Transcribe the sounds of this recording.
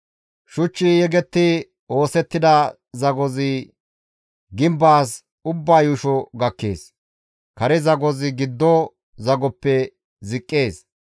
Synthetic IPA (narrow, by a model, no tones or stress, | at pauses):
ʃʊt͡ʃːijɛɡɛt̪ːɪ | o̞ːsɛt̪ːɪd̪ɐ | zɐɡɔzɪ | ɡɪmbaːs | ʊbːaːjʊʃɔɡɐkːe̞̰ːs | kɐɾɛzɐɡɔzɪɡɪd̪ːɔ | zɐɡɔpːɛ | zɪkʼːeːs